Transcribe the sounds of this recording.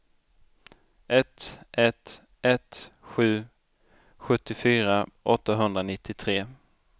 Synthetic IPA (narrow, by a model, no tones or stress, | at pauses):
ʔɛt̪ɛt̪ | ɛt̪ɧʉ̟ː | ɧɵt̪ːɪfyːɾaʔɔt̪ːaɦɵnd̪ɾanɪt̪ʰːɪt̪ʰɾeː